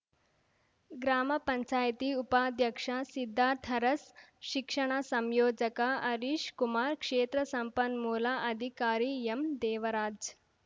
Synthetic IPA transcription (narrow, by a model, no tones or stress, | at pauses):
ɡɾaːməpɐɲt͡ɕaːjt̪iːupad̪jɐkʂasid̪ʱːaːt̪ʰɐɾɐsʃikʂəɽ̃asɐmjoːd͡ʒəkaʔɐɾiʃkumaːɾkʂeːt̪ɾəsɐmpənmuːlaʔɐd̪ʱikaːɾiːemd̪eːʋɐɾaːd͡ʒ